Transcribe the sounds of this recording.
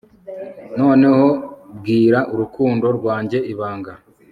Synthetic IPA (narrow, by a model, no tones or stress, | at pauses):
no̞ːne̞ho̞b̚ɡiːɾaʔuɾukuːndo̞ɾɡwaːɲɟe̞ʔiβaːŋɡa